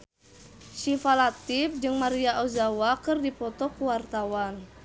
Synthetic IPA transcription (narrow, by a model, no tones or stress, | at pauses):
ʃifalat̪ifd͡ʒɨŋmaɾiaʔozawakɨrdipɔt̪ɔkuwart̪awan